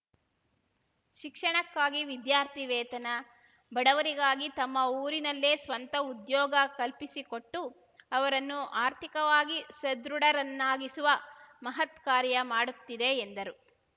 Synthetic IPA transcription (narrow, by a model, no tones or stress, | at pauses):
ʃikʂɐɳɐkːaːɡiʋid̪jaːɾt̪ʰiʋɛːt̪ɐnɐ | bɐɽɐʋɐɾiɡaːɡit̪ɐmːɐuːɾinɐlːeːsʋɐnt̪ɐud̪jɔːɡɐkɐlpisiko̞ʈːu | ɐʋɐɾɐnːuʔaːɾt̪ʰikɐʋaːɡisɐd̪ɾuɽɐɾɐnːaːɡisuʋɐmɐɦɐt̪kaːɾjɐmaːɽut̪ːid̪eːnd̪ɐɾu